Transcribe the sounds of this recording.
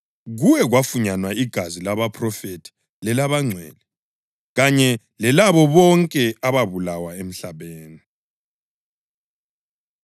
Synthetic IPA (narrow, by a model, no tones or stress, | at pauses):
ɣujɛɣwafuɲanwaiɡ̥ʱazilaβapʰʼrɔfetʰʼi̥ | lɛlaβaŋ͡ǀʱwɛ̰li | ɣaɲɛ | lɛlaβɔβɔŋkʼɛaβaβulawaem̩ɬaβeːni